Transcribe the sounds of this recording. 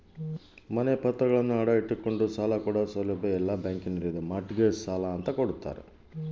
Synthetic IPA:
mɐnepɐt̪ːɾɐɡɐɭɐnːuɐɽɐiʈːiko̞ɳɖusaːlɐkuːɽɐsɐlɐbeɛlːabjaːŋkinɐɾid̪emɐʈɡessaːlaːnt̪ɐkoɽut̪ːa̰ːɾḛ

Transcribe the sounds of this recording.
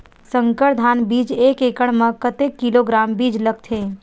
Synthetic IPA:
sə̃ŋkəʈd̪ʱaːnbiːd͡ʒeːkeːkəɽ̃mə̃kət̪ekːiloɡɾaːmbiːd͡ʒləɡ̚t̪ʰɦeː

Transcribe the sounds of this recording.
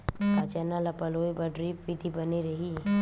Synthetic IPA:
pat͡ʃɛnalɐpɐloːibɐɖɾipʋid̪ʱibɐniɾɐɦi

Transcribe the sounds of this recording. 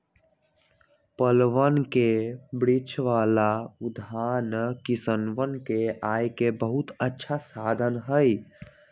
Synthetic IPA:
pəlʋənkebɾit͡ʃʰʋalaud̪ʱankisənʋənkeajkebəɦut̪ətːʃʰasad̪ʱənɦəj

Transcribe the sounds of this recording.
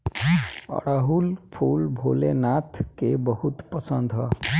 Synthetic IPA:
ɔ̰ɽaɦulpʰulbʱolenat̪ʰkebɔhut̪pɔsənd̪ʱɦɔ

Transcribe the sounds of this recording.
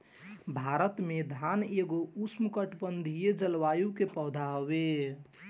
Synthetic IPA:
bʱaɾət̪med̪ʱaneɡousmkəʈpənd̪ʱijed͡ʒəlʋajukepəd̪ʱaɦoβe

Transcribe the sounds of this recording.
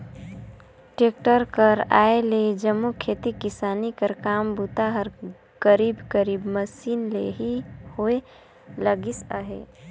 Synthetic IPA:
ʈek̚ʈəɾkəɾa̰ːeled͡ʒəmːukʰeːt̪ikɪsaːnikəɾkaːmbut̪aɦəɾ | kəɾibkəɾiːbməsiːnlḛɦihoe | ləɡisə̰ɦḛ

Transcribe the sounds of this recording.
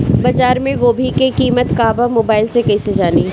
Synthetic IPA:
bɐd͡ʒaːɾmẽɡoːbʱikekiːmət̪kaːbamoːbaːɪlsekɛsed͡ʒaːni

